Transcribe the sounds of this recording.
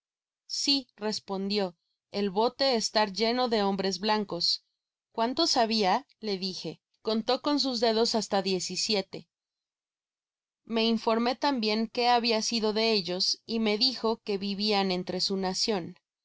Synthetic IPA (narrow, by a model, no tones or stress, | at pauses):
sire̞spo̞nd̪jo̞ | elβo̞t̪e̞ːst̪aɾʝe̞no̞ðe̞o̞mbɾe̞zβlaŋko̞s | kwant̪o̞saβia | le̞ðixe̞ | ko̞nt̪o̞ko̞ns̬uzðe̞ð̞o̞sast̪aðje̞sisje̞t̪e̞ | me̞iɱfo̞ɾme̞t̪ambje̞ŋke̞aβiasiðo̞ðe̞e̞ʝo̞sime̞ðixo̞ke̞βiβiane̞nt̪ɾe̞sunasjo̞n